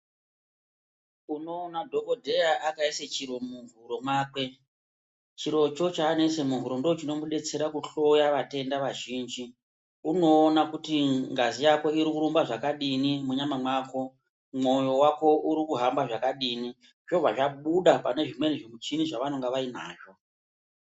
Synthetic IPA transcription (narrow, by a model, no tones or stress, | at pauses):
uno̞ːnadʱo̞ko̞dʱe̞jaʔakaiset͡ʃiɾo̞muvuɾo̞maːkwe̞ | t͡ʃiɾo̞t͡ʃo̞t͡ʃaːne̞se̞muvuɾondo̞ot͡ʃino̞muɗe̞t͡se̞ɾakuɬo̞jaʋate̞ndaʋaʒiːnd͡ʒi | uno̞ːnakutiŋɡazijako̞iɾikuɾumbaʐakaɗinimuɲamamwaːko̞ | mo̞jo̞wako̞uɾikuɦambaʐakaɗini | t͡ʃo̞vaʐaɓuɗapane̞ʐimwe̞niʐimut͡ʃiniʐaʋanoŋɡaʋainaːt͡ʃo